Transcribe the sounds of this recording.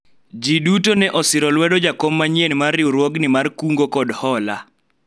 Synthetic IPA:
d͡ʒidutonɛʔɔsɪɾɔlwɛdɔd͡ʒakomːaɲjenmarːɪwɾwɔɡnɪmarkuŋɡokɔdhɔla̰

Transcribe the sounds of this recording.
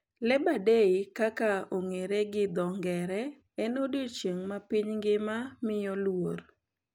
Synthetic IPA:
lɛbadeikakaoŋeɾeɡɪd̪ɔŋɡɛɾɛ | ɛnodot͡ʃjeŋmapiɲŋɡɪmamɪjɔlwor

